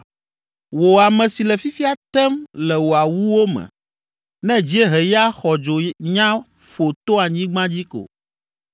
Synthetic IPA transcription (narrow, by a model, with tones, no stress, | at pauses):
wo˨a˨mɛ̃˨si˨lɛ˨fi˦fi˦a˨t̪ɛ˦mlɛ˨wo˨a˨wu˦wo˦mɛ̰̃˨ | nɛ̃˦d͡ʑi˦e˦ɦɛ˨ja˦xɔ˨d͡ʒo˨ɲã˦ | ɸo˨t̪o˦a˨ɲĩ˦ɡ͡bã˦d͡ʑi˦ko̰˨